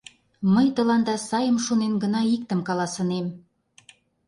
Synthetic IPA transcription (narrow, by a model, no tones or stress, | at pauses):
məjt̪ə̆lɑnd̪ɑsɑjə̆mʃonenɡə̆nɑik̚t̪ə̆mkɑlɑsə̆nem